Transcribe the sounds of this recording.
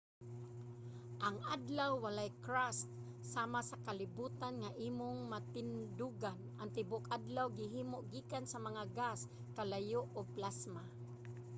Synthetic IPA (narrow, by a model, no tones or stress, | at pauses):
ʔaŋʔad̪lawːalajkɾast̪̚ | saːmasakalɪbuːt̪anŋaʔiːmʊŋmat̪ɪnd̪ʊɡan | aŋt̪ɪbʊkad̪lawɡɪɦiːmʊʔɡiːkansamaŋaɡas | kalajʊʔʊɡ̚plasma